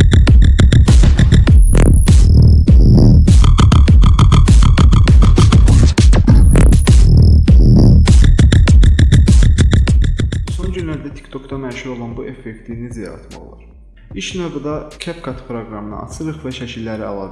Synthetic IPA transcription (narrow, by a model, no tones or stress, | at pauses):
so̞nd͡ʒynlæɾd̪æt̪ʰi̥kt̪ʰo̞kd̪ɑmæʃuɾo̞lˠɑnbuʔe̞fːekt̪ʰinizjɑ̰ɾɑ̰t̪mɑ̰ʁlˠɑ̰ɾ | iʃnøb̪ɑd̪ɑcʰæpkʰɑt̪ʰpʰɾo̞ɡɾɑmɯnɑ̰ʔɑ̰sʰɯɾɯχvæʃæcʰilːæɾiɑ̰lˠɑːd̪